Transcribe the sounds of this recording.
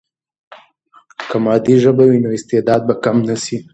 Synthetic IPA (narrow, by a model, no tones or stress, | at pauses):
kamɑd̪iʒəbawinoɪst̪ed̪ɑd̪̚bakamnasi